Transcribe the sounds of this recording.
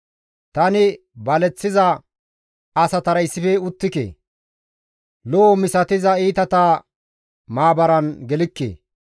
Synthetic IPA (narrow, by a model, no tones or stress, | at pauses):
t̪ɐnɪ | bɐlɛt͡sːɪzɐ | ɐsɐt̪ɐɾɐjsːɪfɛʊt̪ːɪkḛː | loːmɪsɐt̪ɪzɐiːt̪ɐt̪aː | maːbɐɾɐnɡɛlɪkːḛː